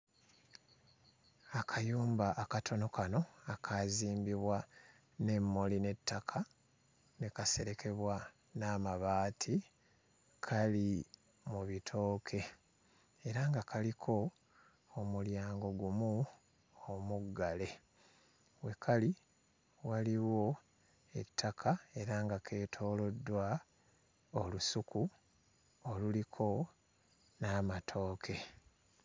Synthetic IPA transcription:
akʰajuːmbaʔːkatʰo̞no̞kano̞akʰaziːmbiβwa | ne̞mːo̞line̞tːakʰa | nekase̞ɾe̞ke̞βwa | naːmaβaːtʰi | kʰali | muβitʰo̞ːkʰe̞ː | ɾaŋɡakʰalikʰo̞ː | muljaːŋɡo̞ɡumu | omuɡːale̞ | we̞kʰali | waliwo̞ | e̞̰tʰːakʰae̞ɾaːŋɡake̞ːtʰo̞ːlo̞dːwa | olusuku | olulikʰo̞ | naːmatʰo̞ːkʰe̞

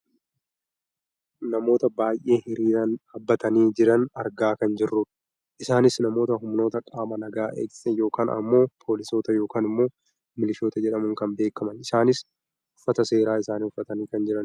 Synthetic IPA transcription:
nɐmo̞ːt̪ɐbaːjʔe̞ːhɪɾiːɾɐnɐbːɐt̪ɐniːd͡ʒɪɾɐnɐɾɡaːkɐnd͡ʒɪrːʊᶑɐ | ʔɪsaːnɪsnɐmo̞ːt̪ɐɦʊmno̞ːt̪ɐkʼaːmɐnɐɡaːʔḛːksɛjo̞ːkaːnɐ̰mːo̞ːpʰo̞ːlɪso̞ːt̪ɐjo̞ːkaːnɪmːo̞ː | mɪlɪʃo̞ːt̪ɐd͡ʒɛᶑɐmʊŋkɐmbe̞ːkɐmɐnɪsaːnɪs | ʊfːɐt̪ɐse̞ːɾaːɪsaːnhʊfːɐt̪ɐniːkɐnd͡ʒɪɾɐn

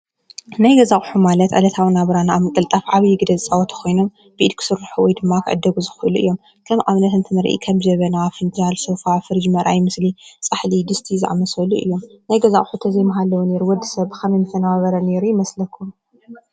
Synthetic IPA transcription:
najɡɐzaχʼħumalɐt̪ʕə̰lɐt̪ʰawɨnaβɾanaaβmɨkʼɨlt̪ʼɐfʕaβjɪɡɨd̪ɐzt͡sʼawɔt̪ʰkʰo̞jnom | b̥iʔid̪̚kʰɨ̥sɨɾːɨħuwɔjd̪ɨmːakʰɨ̰ʕɨd̪ːɐɡuzɨxuluʔɨ̰jːo̞m | kʰɐmʔaβnɐt̪ɨnt̪ʰɨnɨɾʔḭkʰɐmd͡ʒɐβɐnawfɨnd͡ʒalsofafɨɾɨd͡ʒmɐɾʔajmɨslit͡sʼɨħlid̪ɨst̪ʰizɨʕamɐsɐluʔɨ̰jːo̞mnajɡɐzaχʼħut̪ʰɐzɐjmɐɦalːɐwune̞ɾuwɔd̪ːisɐβkʰɐmɐnɨfɐnawaβɐɾɐne̞ɾujɪmɐslɐkʰːum

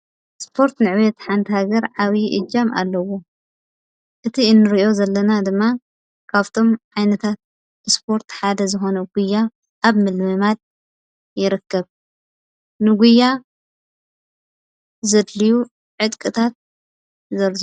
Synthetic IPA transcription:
spʰo̞ɾt̪nɨʕβet̪ħant̪ʰihaɡɐɾʕaβiʔɨ̰d͡ʒama̰lːɐwo̞ | ʔɨt̪ʰiɨnːɨɾiʔo̞zɐlːɐnad̪ɨmːa | kʰaβt̪ʰo̞mʕajnɐt̪ʰat̪̚ | bɨspʰo̞ɾt̪ħad̪ɐzɨxo̞nɐɡ̥ujːa | ʔːβmɨlmɨmad̪̚ | jɪɾɨkːɐβ | nɨɡʷujːa | zɐd̪liju | ʕɨt̪ʼkʼɨt̪ʰat̪̚ | zɐɾz

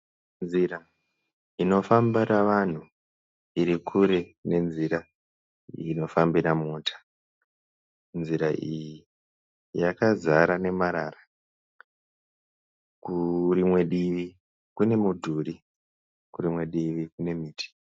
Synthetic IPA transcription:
nziɾa | ino̞fambiɾaʋan̤u | iɾikʰuɾe̞ne̞nziɾa | ino̞fambiɾamuːtʰḁ | nd͡ziɾaʔiji | jakazaɾane̞maɾaːra | kuɾimwe̞ɗiʋi | kune̞mudʱuɾi | kuɾimwe̞ɗiʋikune̞miːtʰi̥

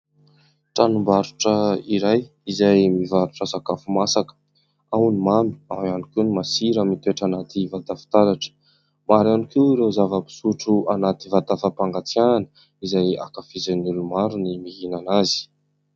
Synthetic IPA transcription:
ʈ͡ʂanumbaɾuʈ͡ʂəiɾaj | izajmivaɾuʈ͡ʂasakafumasakə̥ | awnimami̥awanikewnimasiɾəmit̪ueʈ͡ʂanat̪ivat̪afi̥t̪aɾaʈ͡ʂə̥ | maɾanikewɾewzavəpi̥suʈ͡ʂuanat̪ivat̪afapaŋɡat͡sijananə | izaja̰kafizenulumaɾunimiɦinanazi̥

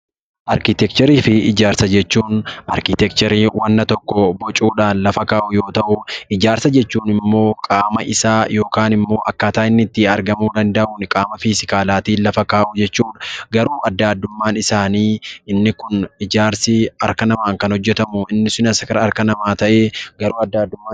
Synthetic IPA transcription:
ʔɐɾkɪt̪ɛkt͡ʃ̪ɛɾiːfɪɪd͡ʒaːɾsɐd͡ʒɛt͡ʃːuːnʔɐ̰ɾkɪt̪ɛkt͡ʃ̪ɛɾiːwɐnːɐt̪ɔkːɔbɔt͡ʃʼuːᶑaːnlɐfɐkaːʔʊjo̞ːt̪ɐʔʊɪd͡ʒaːɾsɐd͡ʒɛt͡ʃːuːnɪmːo̞ːkʼaːmɐʔɪsaːjo̞ːkaːnɪmːo̞ːʔɐkːaːt̪aːɪnːɪt̪ːɪɐɾɡɐmuːd̪ɐnd̪ɐʔuːnkʼaːmɐfiːsɪkaːlaːt̪iːlɐfɐkaːʔʊd͡ʒɛt͡ʃːuːᶑɐ̥ɡɐɾuːʔɐd̪ːaːd̪ːʊmːaːnɪsaːniːɪnːɪkʊnɪd͡ʒaːɾsɪɐɾkɐnɐmaːŋkɐnhɔd͡ʒːɛt̪ɐmʊɪnːɪsʊnɐsɐkɐɾɐɾkɐnɐmaːt̪ɐʔeːɡɐɾuːɐd̪ːaːd̪ːʊmːaː

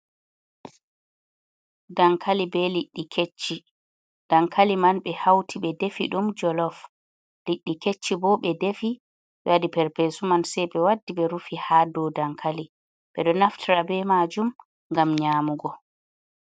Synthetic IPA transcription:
daŋkʰalibɛliɗːikʰet͡ʃːi | d̥aŋkʰalimanɓɛhawtʰiɓɛdefiɗumd͡ʒɔlɔf | liɗːiket͡ʃːibɔɓɛdefi | ɓɛwadipɛɾpesumansɛjbɛwadːiɓɛɾufihaːdɔdaŋkʰali | ɓɛɗɔnaftʰiɾabɛmad͡ʒum | ŋɡamɲaːmuɡɔ

